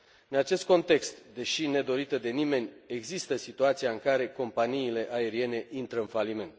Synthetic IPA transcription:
ɨnat͡ʃe̞st̪̚ko̞nt̪e̞kst̪d̪e̞ʃine̞d̪o̞ɾit̪əd̪e̞nime̞nʲeɡzist̪əsit̪uat̪sijaɨŋkaɾe̞ko̞mpaniːle̞ʔae̞ɾie̞ne̞ʔint̪ɾəɨnfalime̞nt̪

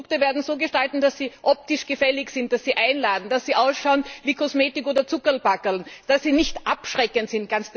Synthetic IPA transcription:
ʊk̚təveːɐdn̩zoːɡəʃtaltn̩d̥assiːʔɔp̚tɪʃɡ̥əfɛlɪçsɪnt̚d̥assiːʔaɪnlaːdn̩d̥asːiːʔaʊsʃaʊnviːkʰɔsmeːtɪkoːdɐt͡sʊkəlb̥akəlnd̥asːiːnɪçtʔapʃʁɛkəntsɪnt̚ɡ̥ans

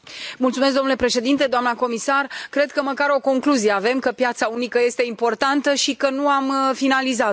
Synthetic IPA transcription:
mult̪sumes̬̚d̪omnule̞pɾe̞ʃe̞d̪int̪e̞d̪oamnəko̞misarkɾe̞d̪̚kəməkaɾo̞ko̞ŋkluzijeave̞mkəpjat̪saunikəje̞st̪e̞impo̞rt̪ant̪əʃikənuamfinaliza

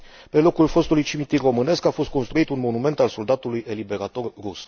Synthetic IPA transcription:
pe̞lo̞kulfo̞st̪ulujt͡ʃimit̪iro̞mɨne̞skafo̞st̪̚ko̞nst̪ɾuit̪unmo̞nume̞nt̪also̞ld̪at̪ulujʔe̞libe̞ɾat̪o̞rrus

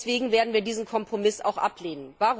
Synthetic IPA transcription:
sv̥eːɡŋ̩veːɐdn̩viːɐdiːzn̩kʰɔmpʁ̥omɪsa̰ʊxʔa̰pʰleːnənvaːʁ

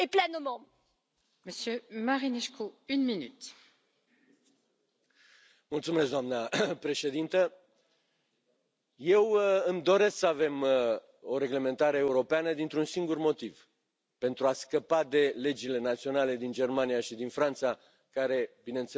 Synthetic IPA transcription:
eplɛnomɑ̃ | məsjømaʁineʃkuynminyt̪ | mult̪sumes̬d̪oamnəpɾe̞ʃe̞d̪int̪ə | je̞wɨmd̪o̞ɾe̞sksəave̞m | o̞ɾe̞ɡle̞ment̪aɾeːuɾo̞peanəd̪int̪ɾunsiŋɡurmo̞t̪iv̥ | pe̞nt̪ɾuaskəpad̪e̞le̞d͡ʒile̞nat̪sio̞nale̞d̪ind͡ʒe̞rmanijaʃid̪infɾant̪sa | kaɾe̞binent̪s

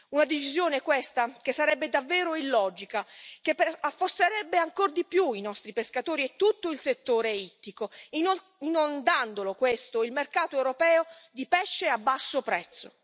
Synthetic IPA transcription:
unad̪et͡ʃizjoːnekwest̪ak̟esːaɾɛbːed̪avːɛːɾoilːɔːd͡ʒikak̟epafːost̪eɾɛbːeaŋkord̪ipjuinɔst̪ɾipeskat̪oːɾiet̪ːut̪ːoilset̪ːoːɾeit̪ːiko | inond̪and̪olokwest̪oilmerkaːt̪oewɾopɛːod̪ipɛʃːeabːasːopɾɛt̪sːo̰

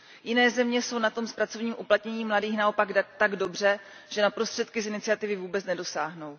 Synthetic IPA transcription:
jɪnɛːzɛmɲɛso̞wnat̪o̞mspɾat͡sovɲiːmʔuplat̪ɲɛɲiːmladiːxnao̞paɡt̪aɡdo̞br̝ɛ | ʒ̥ɛnapɾost̪r̥ɛt̪kɪsɪnɪt͡sɪat̪ɪvɪvuːbɛt͡snɛdo̞saːɦno̞w

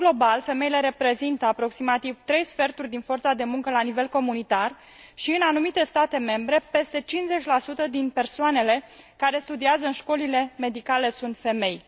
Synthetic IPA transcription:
ɡlo̞balfe̞me̞jile̞ɾe̞pɾe̞zint̪əapɾo̞ksimat̪ivt̪ɾe̞jsfe̞rt̪urʲd̪info̞rt̪sad̪e̞muŋkəlanive̞lko̞munit̪ar | ʃiɨnanumit̪e̞st̪at̪e̞me̞mbɾe̞pe̞st̪e̞t͡ʃinze̞t͡ʃʲlasut̪əd̪inpe̞rsoane̞le̞kaɾe̞st̪ud̪iazəɨnʃko̞lile̞me̞d̪ikale̞sunt̪fe̞me̞j

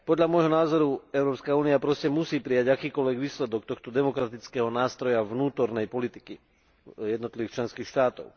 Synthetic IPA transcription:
pɔd̪ʎamɔjɦɔnaːzɔɾuɛʊɾɔːpskauːniapɾɔscɛmusiːpɾijaɟakiːkɔlʋɛɡʋiːslɛd̪ɔkt̪ɔxt̪ɔd̪ɛmɔkɾat̪it͡skɛːɦɔnaːst̪ɾɔjaʋnuːt̪ɔɾnɛjpɔlit̪iki | jɛd̪nɔt̪liʋiːxt͡ʃlɛnskiːxʃt̪aːt̪ɔ̰ʊ

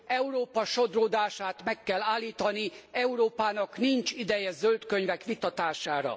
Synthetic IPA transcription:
ɛuɾoːpɒʃo̞d̪roːd̪aːʃaːt̪mɛkːɛlːaːlːiːt̪ɒniɛuɾoːpaːnɒknint͡ʃid̪ɛjɛzølt̪køɲvɛkʋit̪ɒt̪aːʃaːɾɒ̰

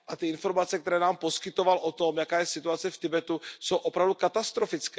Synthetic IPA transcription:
ʔat̪ɪɪnfo̞ɾmat͡sɛkt̪ɛɾɛːnaːmpo̞skɪt̪o̞valʔo̞t̪o̞mjakaːjɛsɪt̪uat͡sɛft̪ɪbɛt̪uso̞wʔopɾavdukat̪ast̪ɾofɪt͡skɛ

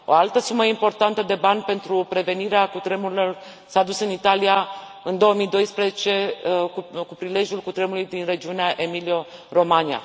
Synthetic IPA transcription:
o̞alt̪əsuməimpo̞rt̪ant̪əd̪e̞banʲpe̞nt̪ɾupɾe̞ve̞niɾeakut̪ɾe̞muɾilo̞r | saːd̪usɨnit̪alija | ɨnd̪o̞əmijd̪o̞jspɾezet͡ʃe̞ukupɾile̞ʒjulkut̪ɾemulujd̪inre̞d͡ʒiuneaʔe̞milio̞ro̞mania̰

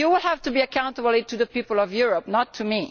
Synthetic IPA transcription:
juwɪlhævtubiakãʊ̃ntəbl̩ˠtuðəpipəl̩ɔvjuɹɔp̚nɔtʰːumi

